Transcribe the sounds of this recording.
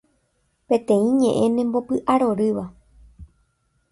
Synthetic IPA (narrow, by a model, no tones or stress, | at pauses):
pẽ̞t̪ẽ̞ĩɲẽ̞ʔẽ̞nẽmbo̞pɨʔaɾo̞ɾɨʋa